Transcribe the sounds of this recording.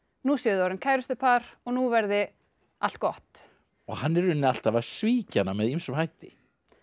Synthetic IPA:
nusjɛðɔɾʏnkʰaːjɾʏst̪ʏpʰaɾɔɣnuvɛɾðɪ | a̰l̥t̪̚kɔht̪ | ɔɣhanːɛɾʏnːɪal̥t̪avasviːcanamɛðimsʏmɦajht̪ɪ

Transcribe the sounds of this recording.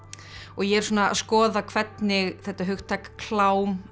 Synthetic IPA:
ɔɣjɛɛɾ̥suːnaskɔːðakʰvɛt̪nɪɣθɛht̪aɦʏxt̪ʰajkḁkʰl̥aːwm

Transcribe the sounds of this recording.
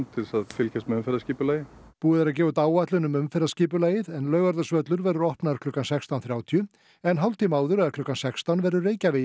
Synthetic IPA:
nt̪ʰɪlsaðfɪlcʰɛst̪mɛʏmfɛɾasciːpʏlaːjɪ | puːɪðɾac̬ɛːvʏt̪aːwat̪lʏnʏmʏmfɛɾasciːp̬ʏlaːjɪðɛnlœːɥɣaɾðasvœt̪lʏɾvɛɾðʏɾɔhpnaðaɾ̥kʰlʏːkansɛkst̪awnθɾjaːwt̪ʰiʏ | ɛnɦawlt̪imaːwðʏɾɛaɾkʰlʏːkːansɛkst̪anvɛɾðʏreːjcavɪ

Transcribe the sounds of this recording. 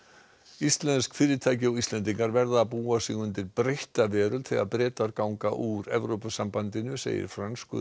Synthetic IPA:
ist̪lɛnskfɪːɾɪt̪ʰaːjcɪɔɣist̪lɛnt̪̬iŋkaɾvɛɾðaːpuːasɪɣʏnt̪ɪɾpɾejht̪avɛːɾʏlθʰɪɣa̰ðpɾɛːt̪aɾkawŋkaʔuɾɛvɾowpasampant̪ɪnʏsḛːjɪ̰ɾ̥fɾanskʏ̰

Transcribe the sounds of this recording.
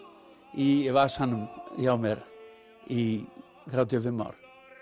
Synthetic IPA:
iɛvasanmjawmɛɾ | i | ðɾad̪jɔvɪmɔ̰ɾ

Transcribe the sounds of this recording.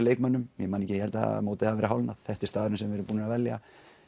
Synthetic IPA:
leːjkmœnːʏmjɛmaːnɛcːɪjɛɾt̪a̰moːwt̪ɪhavɛːɾaɦawlna̰ð̥θɛht̪ɪɾ̥st̪aːðʏɾʏnsɛmvɛɾʏɾpuːnɪnavɛlja̰

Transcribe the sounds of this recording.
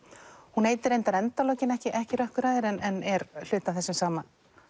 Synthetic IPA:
huneːjt̪ɪɾejnt̪aɾɛnt̪alɔːcɪnɛhcɪʔɛhcɪɾœhkʏɾaːjðɪɾɛnɛnɛɾl̥ʏːt̪aθɛsːɪmsaːman

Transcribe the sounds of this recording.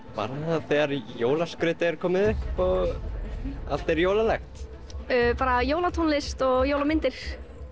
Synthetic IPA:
pa̰ɾaaθɛɣaɾjoːwlaskɾʏt̪ɪɛɾ̥kʰɔːmɪðʏhpɔɣ | a̰l̥t̪ɛɾjowlalɛxt̪ | œpaːɾajoːwlat̪ʰonlɪst̪ɔɣjowlamɪnt̪ɪɾ̥

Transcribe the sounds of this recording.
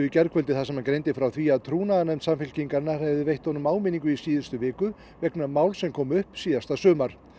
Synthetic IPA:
ʏicɛɾkʰœlt̪ɪθasɛmankɾejnt̪ɪfɾawθviaðt̪ʰɾuːnaðanɛmt̪samfɪl̥ciŋkaɾnḁhɛjðɪvejht̪ɔnʏmaːwmɪniŋkʏisiːðʏst̪ʏvɪːkʏ | vɛknamaːwlsɛmkʰɔːmʏhpsiːðast̪asœːmaɾ̥

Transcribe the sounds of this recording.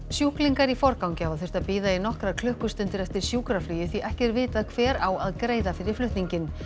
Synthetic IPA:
sjuhkliŋkaɾifɔɾkawŋcɪavaðθʏ̥r̥t̪aðpiːðainɔhkɾaɾkʰlʏhkʏst̪ʏnt̪ɪɾɛft̪ɪɾ̥sjuːkɾaflyːjɪθiʔɛhcɛɾvɪːt̪aðkʰvɛːɾaːwaðkɾeːjðafɪɾɪ̥flʏht̪niɲcɪn

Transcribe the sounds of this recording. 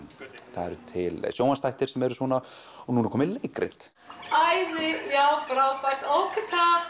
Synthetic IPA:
θaðɛ̰ɾʏt̪ʰɪlsjoːwast̪ajht̪ɪɾsɛmɛɾʏsvɔːna | ɔnunakʰɔːmɪlejkɾɪ̰t̪ | ajðɪjawfɾawt̪ajt̪owkʰɪt̪ʰa

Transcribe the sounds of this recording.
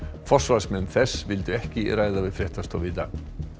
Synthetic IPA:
fɔr̥svalsmɛnːθɛsːvɪlt̪ʏɛhcɪraːjðavɪðfɾɛht̪ast̪ɔwvɪt̪ːa̰

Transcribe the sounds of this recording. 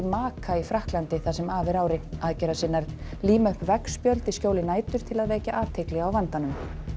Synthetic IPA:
maːkʰaifɾahklant̪ɪθasɛmaːvɪɾaːwɾɪaðcɛɾasɪnːaɾ | liːmaʏhpvɛkspjœlt̪ɪscoːwlɪnaːjt̪ʏɾ̥t̪ʰɪlaðvɛːcaʔaːt̪ʰejklɪɣaawvant̪anʏm

